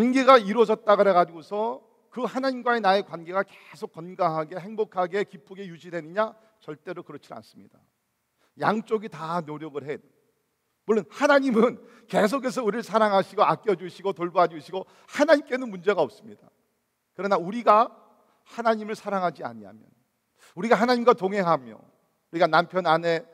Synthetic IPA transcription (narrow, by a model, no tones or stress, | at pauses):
kwanɡe̞ɡaiɾwʌd͡ʑʌt̚t͈aɡɯɾeɡad͡ʑiɡosʰʌ | kɯhanaɲimɡwaenae̞kwanɡe̞ɡakesʰok͈ːʌnɡaɦaɡe̞he̞ŋbokʰaɡe̞kip͈uɡe̞jud͡ʑidwe̞nɯɲa | t͡ɕʌɭt͈e̞ɾokɯɾʌt͡ɕʰina̰ns͈ɯmɲida | jaŋt͡ɕ͈oɡitanoɾjʌɡɯɭɦe | muɭːonhanaɲimɯn | ke̞s̬ʰokʰes̬ʰʌuɾiɾɯɭsʰaɾaŋɦaɕʰiɡoak͈jʌd͡ʑuɕʰiɡotoɭboɦad͡ʑuɕʰiɡo | hanaɲimk͈e̞nɯnmund͡ʑe̞ɡaʌp̚s͈ɯmɲida̰ | kɯɾʌnauɾiɡa | hanaɲimɯɭsʰaɾaŋɦad͡ʑia̰ɲia̰mjʌ̰n | uɾiɡahanaɲimɡwatoŋɦe̞ŋɦamjo̰ | uɾiɡanampʰjʌnane̞